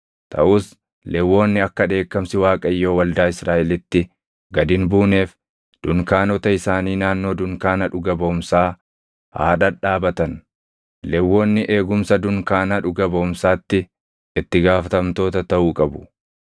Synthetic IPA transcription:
t̪ʰɐ̰ʔʊːs | lɛwːo̞ːnːɪɐkːɐd̪e̞ːkːɐmsɪwaːkʼɐɪjːo̞ːwɐld̪aːɪsɾaːʔɛlɪt̪ːɪ | ɡɐd̪ɪnbuːne̞ːf | d̪̥ʊŋkaːnɔt̪ɐɪsaːniːnaːnːo̞ːd̪ʊŋkaːnɐᶑʊɡɐbɐʊmsaː | ha̰ːᶑɐᶑaːbɐt̪ɐn | lɛwːo̞ːnːɪʔe̞ːɡʊmsɐd̪ʊŋkaːnɐᶑʊɡɐbɐʊmsaːt̪ːɪ | ɪt̪ːɪɡaːfɐt̪ɐmt̪o̞ːt̪ɐt̪ɐʔuːkʼɐbʊ̥

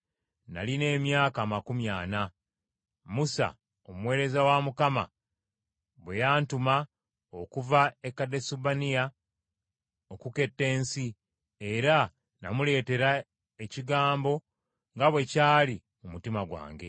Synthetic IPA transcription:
na̰line̞ːmjaːkaːmakumjaːna | musa̰ | omuwe̞ːɾe̞zawamukama̰ | βwe̞jaːntuma | okuvaekːadesubanija | okuke̞tːe̞ːnsi | e̞ɾa | na̰mule̞ːte̞ɾa | eciɡaːmbo̞ | ŋɡaβwe̞caːli | umutimaɡwa̰ːŋɡe̞

